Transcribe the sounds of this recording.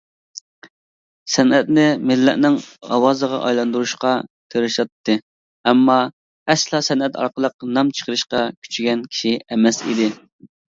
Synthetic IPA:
sɛnɛt̪nɪmɪlːɛ̰ʔnɪŋɑ̰wɑːzəʁɑ̰ʔɑ̰jlˠɑnd̪uɾuʃqɑt̪ʰeɾɨʃɑt̪ːɨ | ɛmːɑ | ɛslˠɑːsɛnɛt̪ʰɑ̰ɾqəlˠəq̚nɑmt͡ʃʰə̥qʰəɾɨʃqɑkʲʰy̥t͡ʃʰyɡʲɛnkʲʰi̥ʃiɛmɛsḭd̪ɪ

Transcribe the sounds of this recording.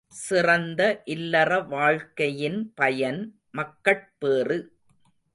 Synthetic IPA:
sɪrɐnd̪ɐʔɪlːɐrɐʋaːɻkɐjɪnpɐjɐn | mɐkːɐʈ̚peːrɯ

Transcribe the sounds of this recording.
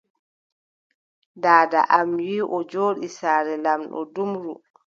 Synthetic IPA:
daːda̰ʔamwiːʔɔd͡ʒoːɗisaːɾɛlamɗɔ̰dumɾu

